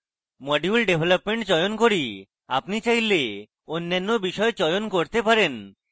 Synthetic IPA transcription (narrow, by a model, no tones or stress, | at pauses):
mɔɖiulɖebʱlapmeɳʈd͡ʑɔjonkoɾi | apnit͡ɕajle | onːanːobiʃɔet͡ɕɔjonkoɾt̪epaɾen